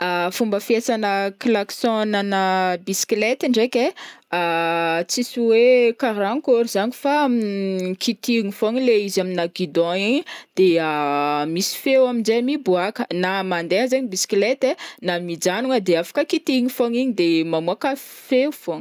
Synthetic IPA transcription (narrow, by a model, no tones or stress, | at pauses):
afumbəfiesanəklaksɔnanəbisklet̪iɳɖ͡ʐekeat͡sisiwekaɾaŋkoɾizaɲifa | kit̪iŋifoŋileizaminaɡid̪ɔ̃iɲid̪̥eamisi̥fewaminzemibuakənamand̪eɦəzeɲibisklet̪enamid͡ʒanuŋəd̪eafḁkəkit̪iŋifoŋiɲid̪emamuakəfeufoŋ